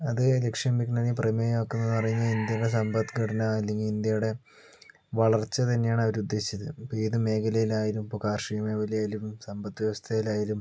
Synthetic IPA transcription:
ɐðɨle̞kʂjɐmbikːnɐnipremejokːunːɐenːpɐrɐjuɲːɐind̪jɐuɽe̞s̬ɐmbɐt̪ːɡʰɐʈɐnɐɐlːe̞ŋɡilind̪jɐjuɽe̞ | ʋɐɭɐrt͡ɕːɐt̪ɐnːe̞jaːɳɨɐʋɐɾud̪ːe̞ːɕi̥t͡ɕːɐðɨpoːiðɨme̞ːkʰɐlɐjilaːjilumpokaːrʂijɐmeːʋɐlijaːjilummsɐmbɐt̪ːɨʋjeʋɐst̪ʰɐjilaːjilum

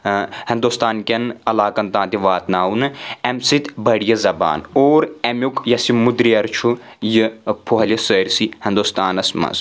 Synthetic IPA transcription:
hind̪ust̪aːnkʲɐnɐlaːkɐnt̪ãːnt̪iʋaːt̪naːwnɨɛmsit̪ʲbɐɽjɐzɐba̰ːnoːɾɐmʲukjɐsimud̪ɾiɐɾt͡ʃʰujɨpʰoɦɐlʲɐsəːɾʲsihĩnd̪ust̪aːnɐsmɐ̰z

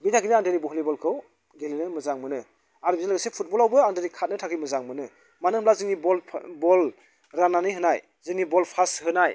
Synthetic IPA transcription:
bitaɡinɯaŋdeɾibɔɦlibɔlkʰɯw | ɡelinɯmɯzaŋmɯnɯ | aɾbizalaɡasepʰut̚bɔlawbɯaŋdeɾikʰat̚nɯtʰakʰɯjmɯzaŋmɯnɯ | manɯŋhmlazɯŋnibɔlʰbɔl | ɾananɯjɦɯnaj | zɯŋnibɔlpʰashɯnaj

